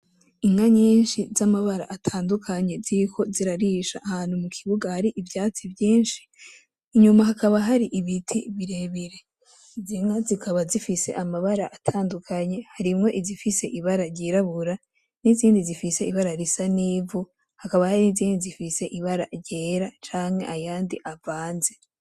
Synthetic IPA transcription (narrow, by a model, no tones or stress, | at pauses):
iŋaɲiːnʃizamaβaɾa̰ʔatʰaːndukʰaɲe̞ziɾkʰo̞ziɾaɾiʃa̰ʔːhaːn̥humukʰiβuɡahaɾiʔivjaːt͡sivjiːnʃi̥ː | ɲumaɦakaβaɦaɾiʔiβitʰiβiɾe̞βiɾe̞ | iziŋazikaβazifise̞̰ʔamaβaɾaʔatʰaːndukʰaɲe̞haɾimŋo̞ʔizifise̞ʔiβaɾaɾɟiɾaβuɾa | niziːndizifise̞iβaɾaɾisaniːvu | hakaβahaɾiniziːndizifise̞ʔiβaɾaɾɟeːɾat͡ʃaːŋhe̞ʔajaːndiʔavaːnze̞